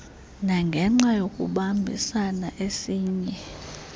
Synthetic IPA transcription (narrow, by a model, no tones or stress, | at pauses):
naŋɡʱɛŋ͡ǁajokʼṵɓambʱḭsanaʔesiːɲɛ